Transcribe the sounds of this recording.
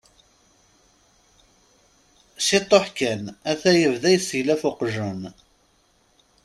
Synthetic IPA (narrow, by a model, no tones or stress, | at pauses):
sit̪ˤːoħkænæθæjəvðæjəsəʝlæfʊqʒən